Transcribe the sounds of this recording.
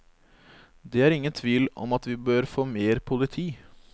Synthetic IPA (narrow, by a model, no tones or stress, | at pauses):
d̪ɛːæɾɪŋːənt̪ʰʋiːlɔ̰mɑt̪ʋɪbøːɾfoːmeːɾpʰʊlɪt̪ʰiː